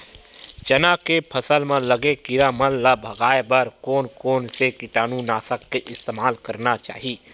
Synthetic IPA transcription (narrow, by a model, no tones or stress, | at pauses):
t͡ʃɐnakepʰɐsəlmẽlɐɡekɪɾamə̃lːabʱɐɡaːebəɾkoːnkoːnsekɪʈaːnũnaːsəkːeʔɪst̪eːmaːlkɐɾnat͡ʃa̰ːɦiiː